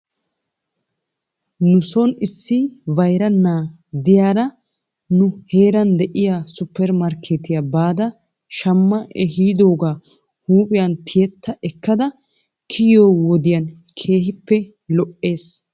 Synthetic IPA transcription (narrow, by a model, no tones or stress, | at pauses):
nʊsɔnɪsːɪvɐjɾɐnːaː | d̪ɪjaːɾɐ | nʊhe̞ːɾɐnd̪ɛʔɪjaːsʊpːɛɾmɐɾkʰeːt̪ɪjɐbaːd̪ɐ | ʃɐmːɐʔɛhiːd̪o̞ːɡaː | huːpʼɪjɐnt̪ʰɪjɛt̪ʰːɐʔɛkːɐd̪ɐ | kʰɪjoːwɔd̪ɪjɐnkʰe̞ːhɪpːɛ | lɔʔːe̞ːs